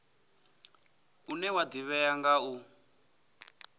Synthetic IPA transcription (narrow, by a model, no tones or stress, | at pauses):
unɛwadiβɛjaŋɡau